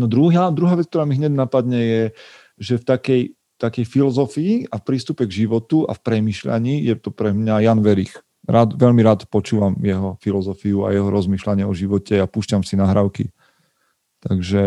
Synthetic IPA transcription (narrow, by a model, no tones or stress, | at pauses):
nɔd̪ɾuɦaːd̪ɾuɦaːʋɛt͡sk̚t̪ɔɾaːmiɦɲɛɟnapad̪ɲɛjɛ | ʒɛft̪akɛj | t̪akɛjfilɔzɔfiiafpɾiːst̪upɛɡʒiʋɔt̪ua̰fpɾɛmiːʃʎa̰ɲiːjɛt̪ɔpɾɛmɲajaːnʋɛɾḭːx | ɾaːt̪ʋɛʎmiɾaːt̪pɔt͡ʃuːʋamjɛɦɔfilɔzɔfiua̰jɛɦɔɾɔzmiːʃlaɲɪɛɔʒiʋɔcɛapuːʃcamsinaɦɾaʊkḭ | t̪aɡʒɛ